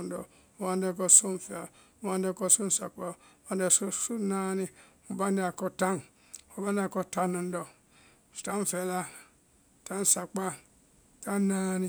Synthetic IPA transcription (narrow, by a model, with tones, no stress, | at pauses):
n̩˦dɔ̰˨ | o˨ba˦n˦de˦˨ko˦su˦n˨fe˨a˨ | o˦ba˦n˦e˦˨ko˦su˦n̩˦sa̰˨k͡pa˦˨˦ba˦nde˨su˦su˦na˦ni˦mo˨ba˦nde˦a˨ko˦ta˦n | o˨ba˦n˦a˨ko˦ta˦no˨n˦do˨ | ta˦m˨fe˨la˦˨ | ta˦n˨sa˨k͡pa˦˨ | ta˦na˦ni˦